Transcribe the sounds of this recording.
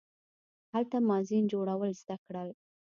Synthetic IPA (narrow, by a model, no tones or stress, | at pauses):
halt̪amɑzind͡ʒoɽawəlzd̪akɽəl